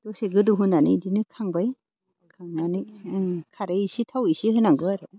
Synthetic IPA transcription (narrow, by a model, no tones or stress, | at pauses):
d̥ɔseɡɯduɦunanɯjdinɯkʰaŋbaj | kʰaŋnanɯjkʰaɾɯisitʰawisiɦɯnaŋɡɯaɾɯ